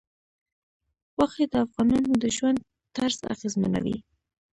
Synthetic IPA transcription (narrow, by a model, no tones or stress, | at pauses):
waxed̪əafɣɑnɑnod̪əʒwand̪̚ | t̪aɾsa̰ɣezma̰na̰wḭ